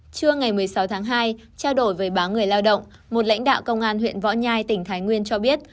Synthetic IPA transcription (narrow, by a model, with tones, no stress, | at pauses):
t͡ɕɨ˧əŋa˨˩jmɨ˨˩əjsa˨˦wt̪ʰaː˨˦ŋɦaː˧j | t͡ɕaː˧wɗo˧˩jvəː˨˦jɓaː˨˦ŋɨ˨˩əjlaː˧wɗə̰˧˨wŋ͡m | mo˨˩t̚la̰˧˥ŋ̟ɗa̰ː˧˨wkə˧wŋ͡mʔaː˧nhwḭ˧˨ənvɔ̰˧˥ɲaː˧jt̪ï˧˩ŋ̟t̪ʰaː˨˦jŋwi˧ənt͡ɕɔ˧ɓi˦˥ət̚